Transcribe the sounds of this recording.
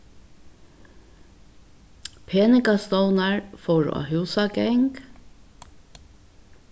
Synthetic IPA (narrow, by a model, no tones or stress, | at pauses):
pʰeːnɪkast̪ɔwnɑɹfowɾa̰hʉːsaɡɛŋk